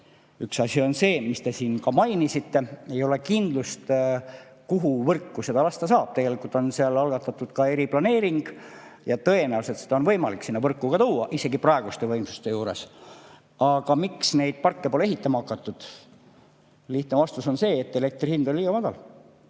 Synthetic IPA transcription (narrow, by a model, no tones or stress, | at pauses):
yksɑsʲio̞nse̞ːmist̪e̞siːnkɑmɑjnisit̪ːe̞e̞jo̞le̞kind̪̥lust̪ | kuɦuvɤrkːuse̞d̪ɑlɑst̪ɑsɑːb̥̚t̪e̞ɡe̞likult̪ːˑo̞nseɑlɑlɡ̥ɑt̪ːˑɑt̪ːˑud̪̥kɑe̞ɾiplɑne̞ːɾiŋɡ̥ | jɑt̪ɤjenæulse̞t̪sed̪ɑo̞nvɤjmɑlikːsinːɑvɤrkːuɡ̥ɑt̪uːɑʔise̞ɡiprɑeɡ̥ust̪e̞vɤjmsu̥st̪e̞juːɾe̞s | ɑɡ̥ɑmiksne̞jd̪̥̚pɑrkːe̞po̞leɦit̪ːˑɑmɑɑkːˑɑt̪ːˑud̪̥ | liht̪nevɑst̪uso̞nse̞ːt̪ːe̞le̞k̚t̪rihind̪olʲiːɡɑmɑd̪̥ɑl